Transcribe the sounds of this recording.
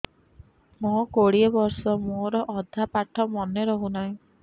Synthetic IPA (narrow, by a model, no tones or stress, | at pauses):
mõkoɽiebɔɾsɔmoɾɔʔɔd̪ʱapaʈʰɔmɔneɾɔɦunaj̃